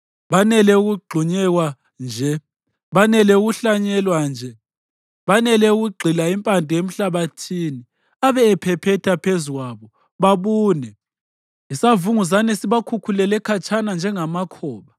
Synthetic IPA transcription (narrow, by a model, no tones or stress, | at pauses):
βanɛlɛuɣuɡ͡ǃʱuɲɛɣwa | nd͡ʒʱɛ | βanɛlɛuɣuɬaɲɛlwand͡ʒʱɛ | βanɛlɛuɣuɡ͡ǃʱilaimpʼandʱʼijem̩ɬaβatʰiːni | aβɛːpʰɛpʰɛtʰapʰezuɣwaβɔ | βaβuːnɛ | isavuŋuz̬anɛsiβakʰukʰulɛlɛkʰat͡ʃʼanand͡ʒʱɛŋamakʰɔːβa